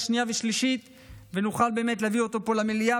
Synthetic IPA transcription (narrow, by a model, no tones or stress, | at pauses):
ʃnijaveʃliʃit̪ | venuχalbe̞ːmet̬leavio̞t̪o̞po̞lamelija